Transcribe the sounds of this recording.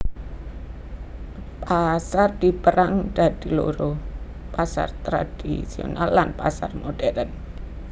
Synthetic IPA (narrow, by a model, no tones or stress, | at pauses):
pasard̪̥i̤pəɾaŋd̥a̤d̪̥ilo̰ɾo | pasa̰rt̪ɾad̥ḭsio̰na̰lːanpasarmoɖ̥ɛɾən